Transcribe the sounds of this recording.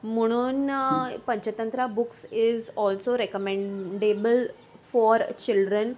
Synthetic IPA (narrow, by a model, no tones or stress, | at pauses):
m̤əɽ̃uːnpə̃ɲt͡ɕət̪ə̃nt̪ɾabuksɪzɔlsoɾekəmẽɳɖebəl | fɔɾt͡ɕilɖɾən